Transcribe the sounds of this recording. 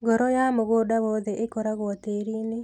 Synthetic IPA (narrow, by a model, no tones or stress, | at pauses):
ɡɔɾɔjamoɣoːdaβɔðɛʔekɔɾaɣwɔteɾine